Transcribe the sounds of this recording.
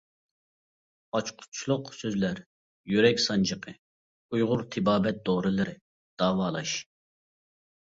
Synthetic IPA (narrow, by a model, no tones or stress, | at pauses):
ɑt͡ʃqʰʊ̥t͡ʃʰilˠʊqsøzlæɾ | jyɾɛkʲsɑnd͡ʒəqʰə | ujʁʊɾt̪ʰɪbɑːbɛt̪̚d̪̥oːɾɨlˠɨɾɪ | d̪̥ɑːwɑːlˠɑʃ